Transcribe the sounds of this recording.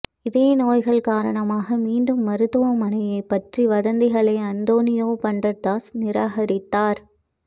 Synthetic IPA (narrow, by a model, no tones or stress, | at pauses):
ɪðeːnoːjɣɐɭkaːɾɐɳɐmaːɣɐmiːɳɖɯmːɐɾɯt̪ːɯʋɐmɐnɐjɐɪpːɐʈriʋɐðɐnd̪ɪɣɐɭɐɪɐnd̪oːnɪjoːpɐɳdrɐt̪ːaːsnɪɾaːɣɐɾɪt̪ːaːɾ